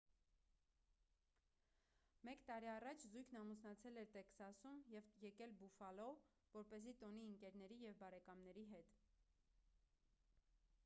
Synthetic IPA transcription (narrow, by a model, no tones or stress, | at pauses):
mɛkt̪ɑɾiɑrɑt͡ʃʰzujkʰnɑmusnɑt͡sʰɛlɛɾt̪ɛksɑsumjɛvjɛkɛlbufɑlɔ | vɔɾpɛzit̪ɔniəŋkɛɾn̪ɛɾijɛvbɑɾɛkɑmnɛɾiɦɛt̪